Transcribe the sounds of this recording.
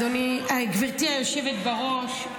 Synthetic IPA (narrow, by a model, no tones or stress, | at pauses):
oniaɡviʁt̪iajoʃevet̪baʁo̞ʃ